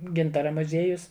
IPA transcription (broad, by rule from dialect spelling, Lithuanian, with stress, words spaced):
ˈɡʲɪntɐrɐ mʊˈzʲeːjʊs